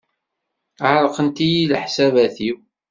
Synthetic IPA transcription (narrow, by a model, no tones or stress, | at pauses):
ʕɾˤəqənt̪ijilħsævæθiw